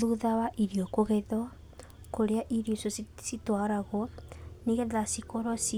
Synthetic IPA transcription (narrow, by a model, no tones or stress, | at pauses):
uðawaʔiɾiokoɣɛðɔ | koɾeaʔiɾiosositwaɾaɣɔniɣɛðasikoɾɔsi